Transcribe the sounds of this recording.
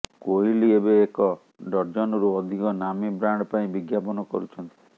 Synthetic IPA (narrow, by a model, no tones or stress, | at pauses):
koɦiliebeːkɔ | ɖɔɾd͡ʒɔnɔɾuɔd̪ʱikɔnamibɾaɳɖɔpaĩbiɡjapɔnɔkɔ̰ɾut͡ʃʰɔnt̪i̥